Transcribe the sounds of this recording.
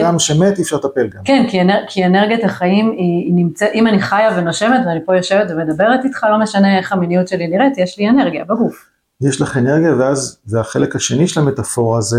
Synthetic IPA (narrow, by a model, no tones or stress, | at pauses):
amʃemet̪iːfʃaʁt̪apelɡamkenkienekʰieneʁɡijat̪haχaiminimt͡setimaniχajave̞noʃe̞me̞tveanipo̞joʃe̞vetveme̞d̪abe̞ʁet̪it̪χalo̞meʃane̞eχaminijutʃeliniʁetjeʃliene̞ʁɡijabeɡuf | jeʃlaχeneʁɡijaveazveaχelekhaʃe̞niʃelame̞t̪afo̞ʁaze